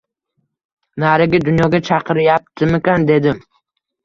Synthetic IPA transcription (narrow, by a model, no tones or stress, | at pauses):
naɾɪɡʲad̪ʊnjɒɡʲat͡ʃʰɑqʰɨɾjap̚t̪ʰɪmekʲand̪e̞d̪ɪm